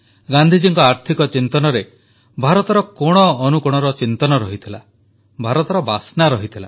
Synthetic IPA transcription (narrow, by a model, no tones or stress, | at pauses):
ɡand̪ʱid͡ʒiŋkɔaɾt̪ʰikɔt͡ʃint̪ɔnɔɾe | bʱaɾɔt̪ɔɾɔkoɽ̃ɔːnukuɽ̃ɔɾɔt͡ʃint̪ɔnɔɾɔɦit̪ʰila̰ | bʱaɾɔt̪ɔɾɔbasnaɾɔɦit̪ʰila̰